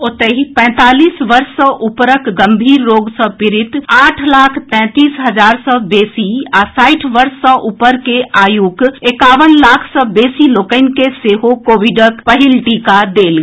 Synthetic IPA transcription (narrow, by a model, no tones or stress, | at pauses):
ot̪əɦipɛ̃t̪aːliːsʋəɾsə̃ʔupɾəkɡəmbʱiːɾːoːɡsə̃piɾit̪aːʈʰlaːkʰt̪ɛ̃t̪iːsɦəd͡ʒaːɾsə̃beːsiasaɪʈʰʋəɾsːə̃ʔupəɾkeaːjuɡekaːʋənlaːkʰsəbeːsilokəɪnkeseɦokoːʋiɖəkpəɦilʈikad̪eːlɡ